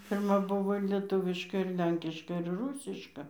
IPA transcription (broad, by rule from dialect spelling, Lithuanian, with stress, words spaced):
pʲɪrˈmɐ ˈbʊʋoː ɪr lʲiɛˈtʊʋʲɪʃkɐ ɪr ˈlʲɛŋʲkʲɪʃkɐ ɪr ˈruːsʲɪʃkɐ